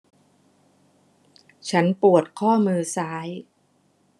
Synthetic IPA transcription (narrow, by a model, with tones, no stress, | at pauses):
t͡ɕʰa˦˥npu˨˩ət̪̚kʰɔː˥˩mɯː˧saː˦˥j